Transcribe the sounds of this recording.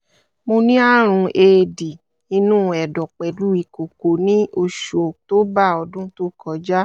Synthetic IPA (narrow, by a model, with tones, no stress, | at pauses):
mo˧nĩ˦a˦ɾ̃ũ˧ʔeː˨˧di˨ | ĩ˧nũː˦ɛ˨dɔ˨k͡pɛ˨du˦i˧˨ko˨ko˨nĩ˦o˧ʃo˨to˦ba˦˨ɔ˧dũ˦to˦kɔ˧˨d͡ʒa˦